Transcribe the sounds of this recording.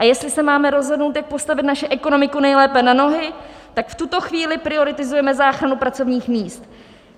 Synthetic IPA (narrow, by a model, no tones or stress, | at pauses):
ʔajɛst̪lɪsɛmaːmɛɾo̞zɦo̞dnowt̪jak̚po̞st̪avɪt̪naʃɛʔɛko̞no̞mɪkunɛjlɛːpɛnano̞ɦɪ | t̪akft̪ut̪o̞xviːlɪpɾɪo̞ɾɪt̪ɪzujɛmɛzaːxɾanupɾat͡so̞vɲiːxmiːst̪